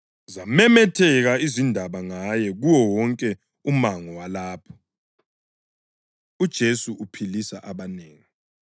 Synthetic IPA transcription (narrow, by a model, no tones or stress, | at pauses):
zamɛmɛtʰɛɣaizindʱaβaŋajɛɣuwɔwɔŋkʼɛ | umaŋɔwalaːpʰɔ̥ | ud̥ʒ̥ʱesuʔupʰilisaʔaβaneːŋi